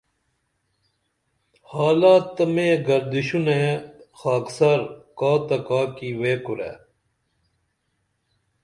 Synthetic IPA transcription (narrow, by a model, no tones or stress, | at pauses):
haːlaːt̪ːɐmeːɡɐɾd̪iɕunexaːksɐɾkaːt̪ɐkaːkiweːkuɾḛː